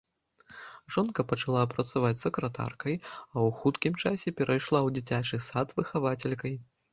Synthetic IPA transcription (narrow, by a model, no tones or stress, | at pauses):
ʐɔnkɐpɐt͡ʂalˠapɾɐt̪savat͡sʲsɐkɾɐt̪a̰rkɐjɐwxut̪kʲimt͡ʂasʲɛpʲɛɾʔajʂlˠawd͡zʲit͡sʲat͡ʂɨsat̪vɨxavat͡sʲɛlʲkɐj